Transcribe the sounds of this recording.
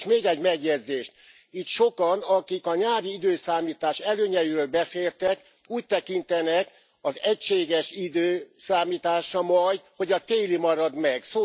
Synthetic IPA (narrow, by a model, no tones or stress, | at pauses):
meːɡɛɟmɛɡjɛd̪zeːʃt̪ | it̪ʃo̞kɒnɒkikɒɲaːɾiid̪øːsaːmiːt̪aːʃɛløːɲɛjiɾøːlbɛseːlt̪ɛk | uːc̚t̪ɛkint̪ɛnɛk | ɒzɛcʃeːɡɛʃid̪øːsaːmiːt̪aːʃɒmɒjho̞ɟɒt̪eːlimɒɾɒd̪mɛɡsoː